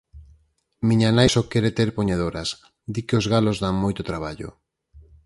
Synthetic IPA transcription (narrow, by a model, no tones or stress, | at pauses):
mĩɲanajsokeɾet̪eɾpoɲaðoɾas | d̪ikɪozɣalozðaŋmojt̪ot̪ɾaβ̞aʎo̰